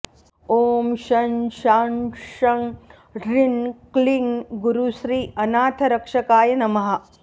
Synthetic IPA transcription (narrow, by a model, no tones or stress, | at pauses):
oːmʃɐnʃaːnʂɐŋ | ɾinkliŋɡuɾuʃɾiːɐnaːt̪ʰɐɾɐkʂɐkaːjɐnɐmɐɦɐ̆